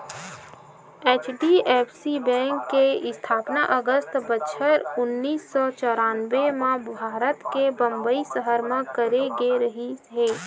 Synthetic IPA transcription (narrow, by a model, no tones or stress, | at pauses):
eːt͡ʃʰɖieːpʰsibɛ̃ːŋkːeɪst̪ʰaːpnaʔəɡəst̪bətːʃʰəɾʊnːiːsːɔt͡ʃɔːɾaːnʋemãbʱaːɾət̪kebə̃mbəisəɦəɾmãkəɾeɡeɾəɦiɦeː